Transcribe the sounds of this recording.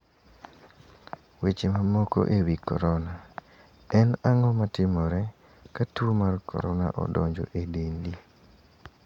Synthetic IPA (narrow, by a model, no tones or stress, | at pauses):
wet͡ʃemamɔko̰ʔewikɔ̰ɾɔna | ɛnaŋɔmatɪmɔɾɛ | katumarkʰɔ̰ɾɔna̰ʔɔ̰dɔ̰ɲd͡ʒɔ̰ʔedendi